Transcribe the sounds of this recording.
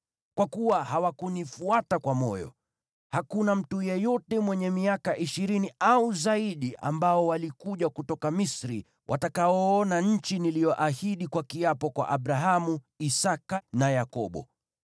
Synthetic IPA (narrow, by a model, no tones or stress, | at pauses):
kwakuwahawakunifuatakwamɔ̰jɔ̰ | hakunam̩tujɛjɔtɛmwɛɲɛmiakaʔiʃiɾiniauzaiɗiʔa̰mbaɔwalikuʄakutɔkamisɾḭ | wʔa̰takaɔɔnaɲ̩t͡ʃinilijɔʔahiɗikwakiapɔkwa̰ʔaɓɾaɦamu | isakanajakɔɓɔ̰